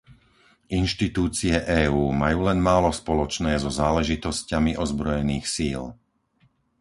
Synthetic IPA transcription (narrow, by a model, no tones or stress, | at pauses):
ʔinʃt̪it̪uːt͡siɛʔɛːuːmajuːlɛnmaːlɔspɔlɔt͡ʃnɛːzɔzaːlɛʒit̪ɔscamiʔɔzbɾɔjɛniːxsiːl